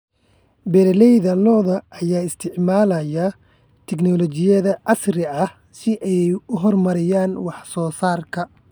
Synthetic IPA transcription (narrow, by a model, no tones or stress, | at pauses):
bɛɾɛlɛjðɐlɔːðɐʔːjaːɪst̪ʰɪʕmaːlɐjɐ | t̪ʰɛɡnɔlɔt͡ʃɪjɐðɐʔɑsrɪɐh | sɪʔɛjʊɦɔrmɐɾɪjaːnwɑħsɔːsaːrkʰɐ